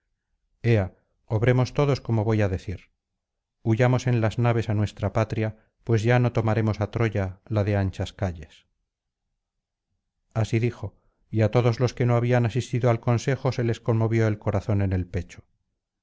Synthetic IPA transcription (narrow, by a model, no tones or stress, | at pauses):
e̞a | oβɾe̞mo̞st̪o̞ðo̞sko̞moβo̞jaðe̞θiɾ | uʝamo̞se̞nlaznaβe̞sanwe̞st̪ɾapat̪ɾja | pwe̞zʝano̞t̪o̞maɾe̞mo̞sat̪ɾo̞ʝalaðe̞ant͡ʃaskaʎe̞s | asiðixo̞ | iat̪o̞ðo̞zlo̞ske̞no̞aβianasist̪iðoalko̞nse̞xo̞se̞le̞sko̞nmo̞βjo̞e̞lko̞ɾaθo̞ne̞nelpe̞t͡ʃo̥